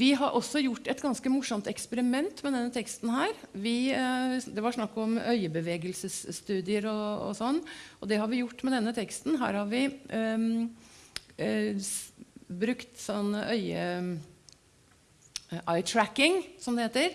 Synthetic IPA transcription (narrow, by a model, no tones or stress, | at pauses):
ʋɪɦɑɾʔɔsːɔjʊʈːɛt̪ɡɑnskəmʊʂːɔmt̪ɛkspəɾɪmɛnt̪mɛd̪ɛnːət̪ʰɛkst̪n̩hæːɾʋɪ | d̪ɛʋɑʂnɑkːɔmœʏəbəʋeːɡəlsəsːt̪ʉːd̪ɪəɾɔɔ̰sɔnːʔɔd̪ɛhɑɾʋɪjʊʈːmɛd̪ɛnːət̪ʰɛkst̪nɦæ̰ːɾhɑɾʋɪ | bɾʉkt̪sɔnːʔœʏə | ʔɑɪt̪ʰɾækːɪŋsɔmd̪ɛheːt̪əɾ